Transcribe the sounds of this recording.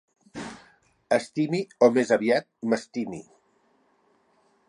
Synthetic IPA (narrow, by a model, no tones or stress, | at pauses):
əst̪imiomezəβiat̪̚məst̪imi